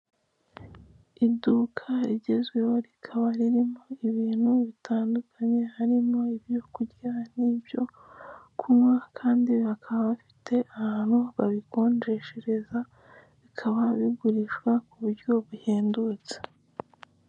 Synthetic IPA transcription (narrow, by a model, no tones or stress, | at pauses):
iduːkʰaiɟe̞zɡwe̞woɾikʰaβaɾiɾimoiβiːn̥huβitʰaːndukʰaɲe̞haɾimo̞ibjo̞kuɟiɾanibjo̞ | kʰumwakʰaːndiβakʰaβaβafi̥tʰe̞ʔahaːn̥huβaβiko̞ːnd͡ʒe̞ʃeɾe̞za | βikʰaβaβiɡuɾiʃɡwakuβuɾɟo̞βuheːndut͡se̥